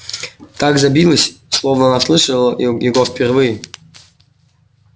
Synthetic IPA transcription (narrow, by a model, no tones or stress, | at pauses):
t̪aɡzɐbʲilˠəsʲslˠovnəanaslˠɨʂəlˠəjɪɡofpʲɪrvɨjɪ